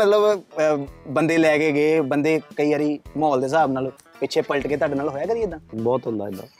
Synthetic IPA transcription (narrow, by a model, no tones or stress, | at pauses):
mət̪ləb | bənd̪eːlɛːkeːɡeːbənd̪eːkəiːaːɾiːmɔːld̪eːs̬aːbnaːloː | pɪt͡ʃʰeːpəlʈkeːt̪aːɖeːnaːlɦoːjaːkəɾiɪd̪ːãːbɔːt̪ɦʊ̃nd̪a̰ːɪd̪a̰ː